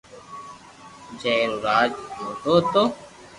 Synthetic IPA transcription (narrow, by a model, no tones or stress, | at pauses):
d͡ʒeːɾuɾaːd͡ʒot̪oːt̪oː